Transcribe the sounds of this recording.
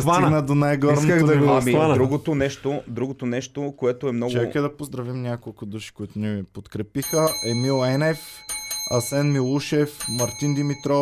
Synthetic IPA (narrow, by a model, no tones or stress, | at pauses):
vaniɡnəd̪onajɡɔɾoaɣd̪ɐɡɔidanɾuɡot̪onɛʃt̪od̪ɾuɡot̪onɛʃt̪okoɛt̪oɛmnɔt͡ʃɡɛkɛd̪ɐpozd̪ɾɐvimnʲakolˠkʊd̪uʃi̥koit̪ʊnivipot̪kɾɛpixəʔɛmilˠɛnɛfɐ̰sɛnmilˠuʃɛfmɐɾt̪ind̪imit̪ɾɔ